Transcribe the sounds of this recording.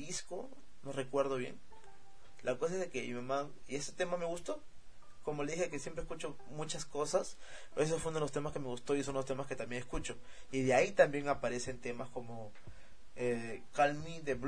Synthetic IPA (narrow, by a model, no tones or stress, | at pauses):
isko | nore̞kwe̞ɾðo̞βje̞̰ŋ | lʔakos̬aezðekemimamãieset̪e̞mame̞ɣust̪o̞ | ko̞mo̞leðihxeekesjempɾeskut͡ʃo̞mũt͡ʃasko̞sas | es̬ofweunoðelost̪emaske̞meɣust̪o̞isonlost̪e̞maske̞t̪ambje̞ŋeskut͡ʃo̞ | iðeait̪ambje̞ŋapaɾe̞se̞nt̪e̞masko̞mo | ekalmid̪eβ